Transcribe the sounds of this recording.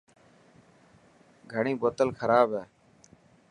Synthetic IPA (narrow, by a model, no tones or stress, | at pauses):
ɡʱəɳ̃ĩːboːt̪əlkʰəɾaːbɦɛː